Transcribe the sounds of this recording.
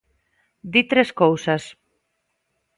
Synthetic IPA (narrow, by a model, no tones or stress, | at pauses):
d̪it̪ɾeskowsas